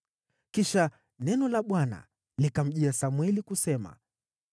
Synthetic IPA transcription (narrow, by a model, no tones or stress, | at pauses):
kiʃa | nɛnɔlaɓwana̰ | likam̩ʄiasamwɛlikusɛma̰